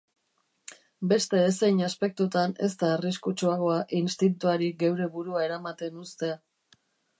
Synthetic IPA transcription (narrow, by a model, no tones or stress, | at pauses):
be̞st̪e̞esejɲaspe̞k̚t̪ut̪ane̞̰st̪aːriskut͡ʃuaɣ̞o̞aʔinst̪it̪̬ut̪uaɾiɡewɾe̞βuɾuae̞ɾamat̪e̞nust̪e̞a